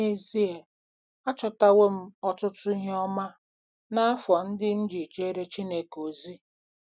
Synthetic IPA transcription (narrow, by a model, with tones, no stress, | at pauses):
e˦zi˦e˨ | a˦t͡ʃɔ˨ta˦we˦m̩˦ɔ˨tʊ˦tʊ˦i˦ɦɔ˦ma˦ | na˦a˦fɔ˨n̩˦dɪ˦m̩˦d͡ʒi˨t͡ʃe˦ɾe˦t͡ʃi˦ne˨ko˨zi˦